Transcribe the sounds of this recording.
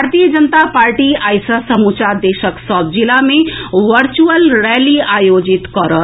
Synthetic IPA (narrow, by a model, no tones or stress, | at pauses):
aɾt̪ijəd͡ʒənət̪apaːɾʈiaːjsasəmut͡ʃad̪eːʃəksɔːb̚d͡ʒilamẽʋəɾt͡ʃuəlɾɛːliaːjoːd͡ʒɪt̪kɔɾə